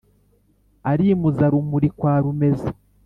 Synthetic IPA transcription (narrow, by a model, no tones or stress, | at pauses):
aɾiːmuzaɾumuɾikwaːɾume̞za